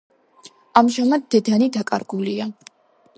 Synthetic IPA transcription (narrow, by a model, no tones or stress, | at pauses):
amʒamad̪̚d̪ɛd̪anid̪akʼa̰ɾɡulia